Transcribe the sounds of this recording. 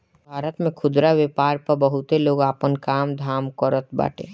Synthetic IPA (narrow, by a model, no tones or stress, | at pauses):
bʱaːɾət̪mẽkʰʊd̪ɾawepaːɾpəɾbəɦʊt̪eloːɡaːpənkaːmd̪ʱaːmkəɾət̪ba̰ːʈḛ̃ː